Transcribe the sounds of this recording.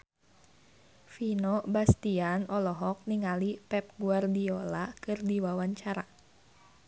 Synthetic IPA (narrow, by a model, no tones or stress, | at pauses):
finobast̪ianɔlɔɦɔk̚niŋalipɛp̚ɡuardiolakɨrdiwawaɲt͡ʃaɾa